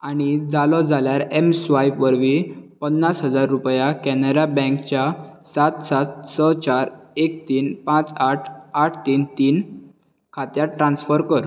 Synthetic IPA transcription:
añid͡zalɔd͡zʱaljaɾemsʋajpʋəɾʋipənːasɦəd͡zaɾːupjakɛnəɾabɛ̃ŋkt͡ɕjasat̪sat̪̚sət͡ɕaɾek̚t̪iːnpãt͡saʈʰaʈʰt̪iːnt̪iːn | kʰat̪jaʈɾãnsfəɾkəɾ

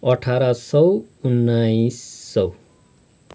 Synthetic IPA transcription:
ʌʈʰaɾasʌw | unːaisːʌw

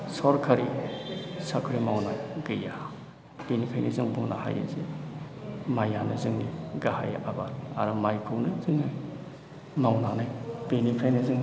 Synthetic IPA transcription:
sɔɾkʰaɾḭ | sakʰɯɾimawnajɡɯja | b̥enipʰajnizɯŋbuŋna̰ha̰ja̰ze | majanɯzɯŋniɡaha̰jʔabanaɾɯmajkʰɯwnɯzɯŋnaj | mawnanajbenipʰajnɯzɯŋ

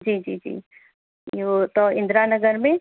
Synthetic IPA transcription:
d͡ʒiːd͡ʒḭːd͡ʒḭː | jot̪ɔɪ̃nd̪ɾaːnɐɡəɾmẽ

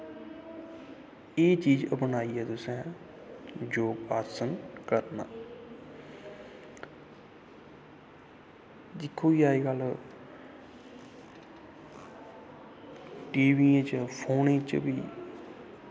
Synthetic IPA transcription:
eːt͡ʃiːd͡ʒəpnaːiːɛːt̪ʊsɛ̃ː | d͡ʒoːpaːɾsənkəɾna̰ː | d̪ɪkʰːoːiːaːiːɡəl | ʈiːʋiːẽt͡ʃpʰoːnẽt͡ʃbiː

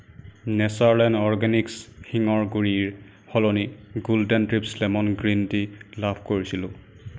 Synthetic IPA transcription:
nɛsaɹlɛnɔɹɡanikshiŋɔɹɡuɹiɹ | hɔlɔniɡuldɛntɹipslɛmɔnɡɹintilabʰʱkoɹisilʊ̃

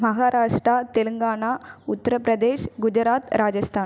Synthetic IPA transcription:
mɐɣaːɾaːʂʈɾaːt̪ɛlɯŋɡaːnaːʊt̪ːɐɾɐpɾɐd̪eːʂɡʊd͡ʒɪɾaːt̪ɾaːd͡ʒɐst̪ʰaːn

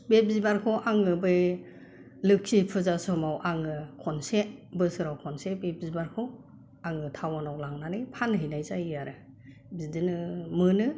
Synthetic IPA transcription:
beb̚zibaɾkʰɔʔaŋɯbɯj | lɯk̚sʰipʰɯzasɔmawʔaŋɯkʰɔnsebɯsɯɾawkʰɔnsebeb̚zibaɾkʰɔw | aŋɯtʰawanawlaŋnanɯjpʰanɦejnajzajjaɾɯ | bidɯnɯmɯnɯ

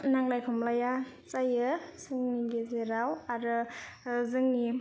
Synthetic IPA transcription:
naŋlajkʰɔmlaja | t͡ʃajɯsɯŋniɡezeɾawaɾɯ | zɯŋni

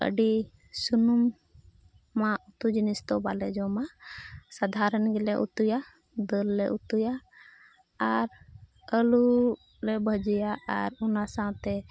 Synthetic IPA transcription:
ə̰ɖi | sunumː | aʔut̪ud͡ʒinist̪ɔbalɛd͡ʒɔmasad̪ʱaɾənɡɛlɛʔṵt̪uja | d̪əlːɛʔut̪ujaː | ɾ | əlu | lɛbʱəd͡ʒijaa̰ɾunasaw̃t̪ɛ

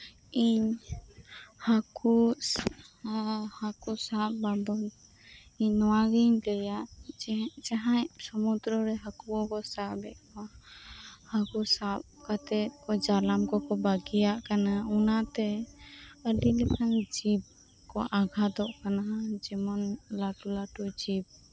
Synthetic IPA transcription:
iɲ | haku | hakusapbabɔt̪ | iɲnːɔwaɡiɲlɛjaʔ | d͡ʒaɦasɔmud̪ɾəɾɛɦakuɔkɔsabɛt̪̚kɔ | hakusap̚kat̪ɛt̪̚kɔd͡ʒalamkɔkɔbaɡijaʔkanaunat̪ɛ | əɖilɛkʰand͡ʒib̚ | kɔʔaɡʱad̪ɔʔkanad͡ʒɛmɔnlaʈulaʈud͡ʒib̚

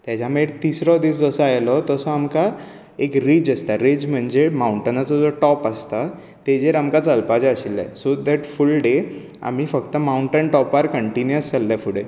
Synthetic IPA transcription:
t̪jat͡ɕameɾt̪isɾɔd̪iːsd͡zəsɔajlɔt̪ɔsɔamka | ekɾid͡ʑəst̪aɾed͡ʑm̤əɳd͡zemawɳʈənat͡sɔd͡zɔʈɔpast̪a | t̪ed͡zeɾamkat͡səlpad͡ʑəɕilːa̰sod̪əʈfulɖe | a̰mifəkt̪əmawuɳʈənʈɔpaɾkəɳʈinjəst͡salːafuɽe

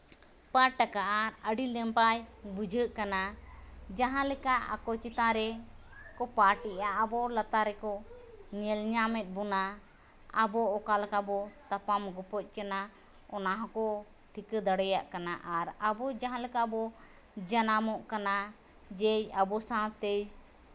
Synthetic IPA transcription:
paʈakaʔaəɖilɛmpajbud͡ʒʱəʔkanad͡ʒaɦãlɛkaʔa̰kɔt͡ʃit̪ãɾɛ | kɔpaʈiʔaʔabɔlat̪aɾɛkɔ | ɲɛlɲamɛt̪̚ˀbɔna | abɔʔɔkalakabɔt̪apamɡɔpɔc̚ˀkana | ɔnaɦɔ̃kɔ | ʈʰikəd̪aɽɛjaʔkanaʔaɾabɔd͡ʒaɦãlɛkabɔ | d͡ʒanamɔʔkana | d͡ʒɛjabɔsãt̪ɛj

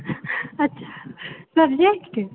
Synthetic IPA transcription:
ɐtːɕʰḁsɐbd͡ʒekʈ

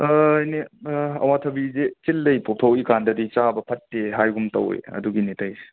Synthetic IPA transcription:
ajneɐ̰watʰɐbizet͡ʃilːɐjpop̚tʰɐwikandɐdit͡ʃabɐpʰɐtːeɦajɡumtɐ̰w̰jɐ̰duɡinetʰajse̥

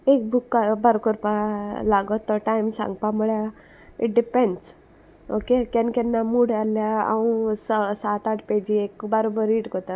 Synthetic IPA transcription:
ek̚bukːabəɾkɔɾpalaɡɔt̪ːɔʈajmsã̰ŋɡpamuɭja | iʈ̚ɖipeɳɖs | okekɛ̃nkɛ̃nːamuɽaljaa̰wũsəsat̪aʈʰpɛd͡ʑiekbəɾobəɾiʈkot̪a

